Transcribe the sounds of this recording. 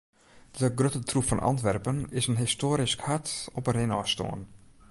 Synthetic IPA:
dəɡrøtətrupfɔnʔɑ̰ntʋɛrpənɪsənɦɪstoːəɾiskhatɔpənrɪnɔːsto̰ən

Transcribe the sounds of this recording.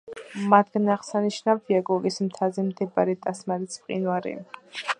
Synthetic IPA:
mat̪ɡanaʁsaniʃnavd̪iaɡɔɡismt̪ʰazɛmd̪ʰɛbaɾɛt̪ʼasmaɾispʼqʼḭnwaɾḭ

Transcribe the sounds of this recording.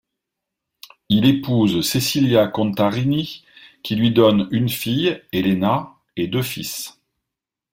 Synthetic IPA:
ilepuzsesiljakɔ̃t̪aʁinikʲilɥid̪ɔnynfijelena | ed̪øfis

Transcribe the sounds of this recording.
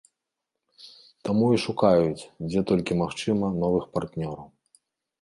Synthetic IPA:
t̪amuiʂukajut͡sʲd͡zʲɛt̪ɔlʲkʲimaxt͡ʂɨmɐnɔvɨxpart̪nʲɔɾɐw

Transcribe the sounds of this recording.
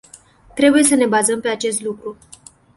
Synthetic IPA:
t̪ɾe̞buje̞səne̞bazəmpe̞at͡ʃe̞st̪lukɾu

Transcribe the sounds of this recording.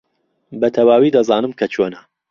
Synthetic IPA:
bɐt̪ʰɐwaːwid̪ɐzaːnɨmkʰɐt͡ʃʰoːnɐ

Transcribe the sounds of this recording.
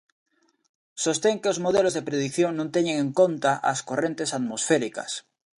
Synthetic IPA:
so̞st̪eŋkeozmoð̞elozðepɾeð̞ikθjoŋnõnt̪eɲeŋẽŋkõnt̪aʔa̰skorẽnt̪e̞sat̪mosfeɾika̰s

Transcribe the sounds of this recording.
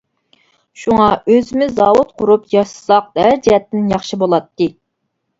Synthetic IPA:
ʃuŋɑøzɪmɪzɑːwut̪̚qʊɾupjɑʃsɑq̚d̪æɾd͡ʒiɛt̪ːɪnjɑχʃibolˠɑt̪ːɨ

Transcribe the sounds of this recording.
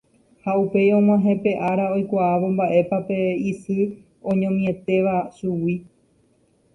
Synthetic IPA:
haupe̞jõ̞ŋw̃ãɦẽ̞pe̞ʔaɾao̞jkʷaːʋo̞mbaʔe̞pape̞isɨ | õ̞ɲõmĩe̞t̪e̞ʋasuwi

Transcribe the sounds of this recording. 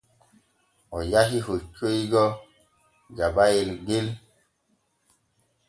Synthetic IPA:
ɔjaɦihot͡ʃoiɡɔ | ɡabajelɡel

